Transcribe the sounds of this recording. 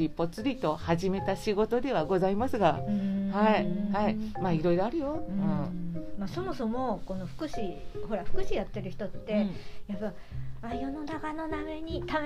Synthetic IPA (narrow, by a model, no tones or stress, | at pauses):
ipo̞t͡sɨɾʲit̪o̞haʑime̞t̪aɕiɡo̞t̪o̞d̪e̞β̞aɡo̞zaimasɨɡahaihaimaːiɾo̞iɾo̞aɾɯ̟jo̞ɯ̃maso̞mo̞so̞mo̞ko̞no̞ɸɯ̟̥kɯ̟ɕiho̞ɾaɸɯ̟̥kɯ̟ɕijat̪ːe̞ɾɯ̟çi̥t̪o̞t̪ːe̞japːa | ajo̞no̞nakano̞name̞ɲ̟it̪am